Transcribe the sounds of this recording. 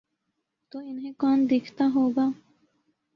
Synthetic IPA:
t̪oːɪnɦẽkɔːnd̪ɪːkʰt̪aɦoːɡaː

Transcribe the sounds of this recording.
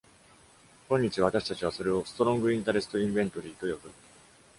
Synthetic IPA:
kõ̞ɲ̟ːit͡ɕiβat̪aɕi̥t̪at͡ɕiβ̞aso̞ɾe̞o̞sɨ̥t̪o̞ɾõŋɡɯ̟ĩnt̪aɾe̞sɨ̥t̪o̞ĩmbẽ̞nt̪o̞ɾʲiːt̪o̞jobɯ

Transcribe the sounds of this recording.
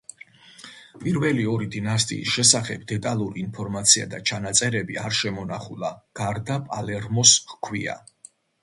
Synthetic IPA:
pʼiɾvɛliɔɾid̪inast̪ʼḭːsʃɛsaχɛbd̪ɛt̪ʼalˠuɾiːnpʰɔɾmat̪sʰia̰d̪at͡ʃʰanat̪sʼɛɾɛbiaɾʃɛmɔnaχulˠaɡ̥aɾd̪apʼalɛɾmɔsχkʰwia̰

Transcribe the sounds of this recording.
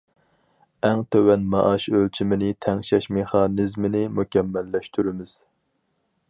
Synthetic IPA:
ɛŋt̪ʰøwɛnmɑʔɑʃølt͡ʃʰimɪnɪt̪ʰɛŋʃɛʃmeχɑːnɪzmɪnɪmukʲɛmːɛlːɛʃt̪ʰyɾɪmɪz̥

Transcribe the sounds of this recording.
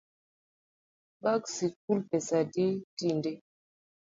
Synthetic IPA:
baksik̚ulpɛsaditindɛ

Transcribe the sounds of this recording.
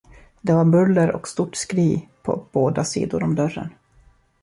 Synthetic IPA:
d̪ɛvaɾbɵlːəɾɔ̰kst̪uʈskɾiːpʰɔ̰b̥oːd̪asḭːd̪ʊɾɔmd̪œɾːə̰n

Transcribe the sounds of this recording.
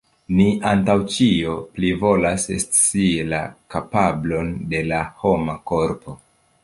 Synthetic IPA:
niʔantawt͡ʃioplivo̞lasest͡silakapablo̞nde̞laho̞mako̞ɾpo̞

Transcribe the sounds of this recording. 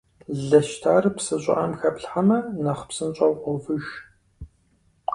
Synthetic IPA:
ɮɐʃtʰaːrɨpsɨɕʼɪ̰ʔɐmxɐpɬħamɐnɐχpsɨnɕʼɐwqʷɔvɨʃ

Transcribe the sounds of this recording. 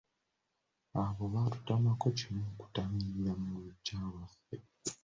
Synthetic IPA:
aβoβatu̥tamako̞cimuku̥tamiɾiɾamuuɟaːwafe

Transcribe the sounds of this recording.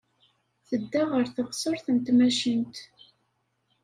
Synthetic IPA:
θəd̪ːaʁəɾθəʁsˤəɾθənt̪mæʃənt̪

